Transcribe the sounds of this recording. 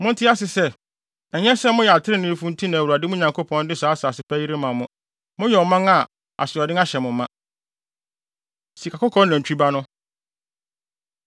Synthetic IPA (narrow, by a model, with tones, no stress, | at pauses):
mʊ̃˦n̩˦tʰɪ˦a˦sɪ˨sɛ˦˨ | ɛ˨ɲɛ̃˦sɛ˦mʊ̃˦jɛ˨a˨tʰɪ˦ɾɪ˦nɪ̃˦fũ˦n̩˦tʰĩ˦nã˨wu˨a˨dɪ˦mʊ̃˦ɲã˨ŋkʰo˦pʰɔ̃˦n˦dɪ˦saː˨˦saː˨sɪ˨pʰæ˦ji˦ɾe˦mã˨mʊ̃˦ | mʊ̃˦jɛ˨ɔ˨mã˦ŋa˨ | a̰˨sɪ˨ɔ˨dɪ̃˦ŋa˦ɕɛ˨mʊ̃˨mã˦ | si˨kʰa˨kʰɔ˦kʰɔ̃˦n˦næ̃˨n˨t͡ɕᶣi˦ba˦nʊ̃˦